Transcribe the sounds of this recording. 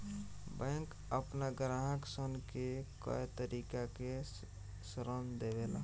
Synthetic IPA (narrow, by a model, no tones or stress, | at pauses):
bɛ̃ŋk | əpnaɡɾaɦəksənkekə̰jt̪əɾikake | sɾənd̪ebela̰